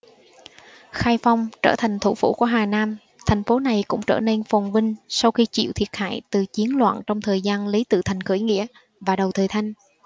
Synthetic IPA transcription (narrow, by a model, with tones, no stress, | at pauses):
xaː˧jfa˧wŋ͡mt͡ɕə̰ː˧˩t̪ʰa˨˩jŋ̟t̪ʰṵ˧˩fṵ˧˥˩ku˧˩əɦaː˨˩naː˧m | t̪ʰɛ˨˩jŋ̟fo˨˦na˨˩jkʊ̰˧˥ŋ͡mt͡ɕəː˧˩ne˧nfɔ˨˩wŋ͡mvï˧ŋ̟sa˧wxi˧t͡ɕḭ˧˨wt̪ʰi˨˩ət̚ha̰ː˧˨jt̪ɨ˨˩t͡ɕi˨˦ənlwa̰ː˧˨nt͡ɕɔ˧wŋ͡mt̪ʰəː˨˩jzaː˧nli˨˦t̪ɨ̰˧˨t̪ʰa˨˩jŋ̟xə̰˧˩˨jŋḭ˧˥ə | vaː˨˩ɗə˨˩wt̪ʰəː˨˩jt̪ʰa˧jŋ̟